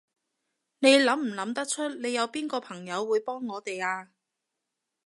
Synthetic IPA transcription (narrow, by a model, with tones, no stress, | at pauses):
ne˨˧jlɐ˨˥mm̩˨˩lɐ˨˧˥mt̪ɐ˥k̚t͡ʃʰɵ˥t̚ne˨˧jɐ˨˧wpiː˥nkɔː˧pʰɐ˨˩ŋjɐ˨˧wːuː˨˧jpɔː˥ŋːɔː˨˧t̪e˨jaː˧